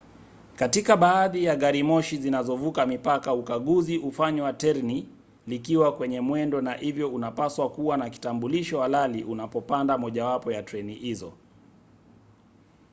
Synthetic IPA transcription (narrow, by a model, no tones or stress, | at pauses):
katikaɓaːðijaɠaɾimɔʃizinazɔvukamipakaukaɠuziʔufaɲwatɛɾni | likiwakwɛɲɛmwɛndɔnahivjɔunapaswakuwanaki̥tambuliʃɔhalaliʔunapɔpandamɔʄawapɔjatɾɛnihizɔ̰